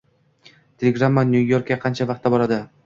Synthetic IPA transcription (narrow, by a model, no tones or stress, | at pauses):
t̪ʰe̞lʲeɡɾamːanʲjujo̞ɾkʲːaqʰɑnt͡ʃʰavɑq̚t̪ʰːabɒɾad̪ɪ